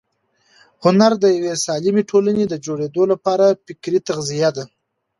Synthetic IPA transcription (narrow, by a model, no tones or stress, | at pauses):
hʊnaɾd̪əjawesɑlɪmiʈʰolaned̪əd͡ʒoɽed̪olapɑɾafɪkɾit̪aɣzijad̪a